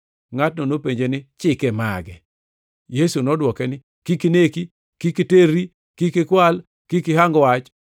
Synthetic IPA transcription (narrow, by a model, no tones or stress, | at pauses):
ŋat̚nɔnopeɲd͡ʒenɪt͡ʃɪkɛma̰ɡɛ | jesunɔdwɔkɛnɪ | kikineki | kikiteɾi | kikɪkwal | kɪkɪɦaŋɡwat͡ʃ